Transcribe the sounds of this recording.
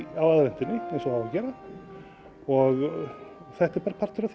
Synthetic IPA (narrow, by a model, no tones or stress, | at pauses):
awaðvɛnt̪ɪnːɪɛnsɔhavacɛːɾa | ɔɣ | θɛht̪ɛɾpaːɾapʰar̥t̪ʏɾaθ